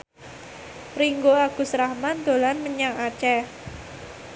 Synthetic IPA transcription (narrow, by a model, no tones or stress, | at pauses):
riŋɡoaɡ̥ṳsɾahmand̪̥o̤lanməɲaŋat͡ʃɛ